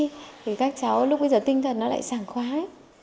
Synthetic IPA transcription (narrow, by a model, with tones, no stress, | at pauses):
t̪ʰi˨˩kaː˦˥k̚t͡ɕa˨˦wlʊ˦˥k͡p̚ɓə˧jzəː˨˩t̪i˧ŋ̟t̪ʰə˨˩nːɔ˨˦la̰ː˧˨jsaː˧˩ŋxwaː˨˦